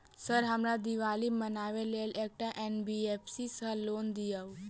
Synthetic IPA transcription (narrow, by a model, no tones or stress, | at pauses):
səɾɦamɾad̪iʋaliːmənaʋelelɛk̚ʈaʔenbiefsisəlond̪ijaʋ